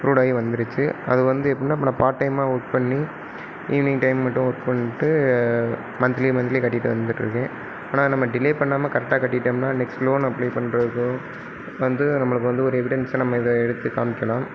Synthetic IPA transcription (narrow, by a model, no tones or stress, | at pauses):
pɾuːɽaːjʋɐnd̪ɪɾɯt͡ʃːɯɐ̰ðɯʋɐnd̪ɯɛpːɐɽɪnːaːpːɐnːpaːɾʈːɐɪmaːʊʈ̚pɐɳːi | juʋnɪŋʈɐɪmːɐʈːʊ̃ʊʈpɐɳːɪʈːɯ | mɐnd̪ɪlimɐnd̪ɪlikɐʈːɪʈːɯʋɐ̰nd̪ɯʈːɾɯ̰kːẽː | aːnaːnɐmːɐɖɪleːpɐɳːaːmɐkɐɾɛk̚ʈːaːkɐʈːɪʈːɐmnaːnɛksʈloːnɐpːliːpɐɳːɾɐðɯkːɯ̃ | ʋɐnd̪ɯnɐmːɐɭɯkːɯʋɐnd̪ɯɔɾɯɛʋɪɽɛnsɐnɐmːɐɪðɐɛɽɯt̪ːɯkaːmɪkːɐlãːm